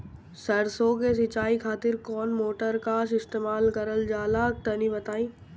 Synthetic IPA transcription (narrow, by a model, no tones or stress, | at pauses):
sɐɾsokesɪt͡ʃaːikʰaːt̪ɪɾkɔːnmoːʈəɾkaːsɪst̪eːmaːlkɐɾəld͡ʒaːlak̚t̪ɐnĩbɐt̪aːĩː